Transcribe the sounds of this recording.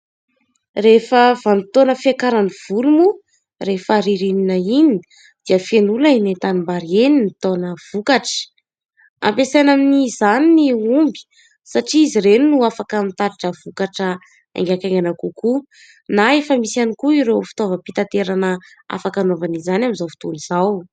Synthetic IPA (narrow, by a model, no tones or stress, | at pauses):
refəvanit̪onəfiakaɾaniv̥ulumu | refaɾiɾininəini | d̪̥iəfenulainet̪animbaɾieninit̪onəv̥ukaʈ͡ʂə̥ | a̰mpesajnaminizaniniumbi̥ | saʈ͡ʂiiziɾeninuafakəmit̪aɾiʈ͡ʂəvukaʈ͡ʂə | ḛŋɡʲakaŋɡanakuku | naefəmisanikuiɾewfi̥t̪ovəpit̪at̪eɾanə | a̰fakanovanizanaminzawfi̥t̪uniz̥aw